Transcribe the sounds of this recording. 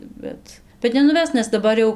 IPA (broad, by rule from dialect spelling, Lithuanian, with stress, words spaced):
ˈbʲɛt bʲɛt nʲɛnʊˈʋʲɛs nʲɛs dɐˈbɐr jɛʊ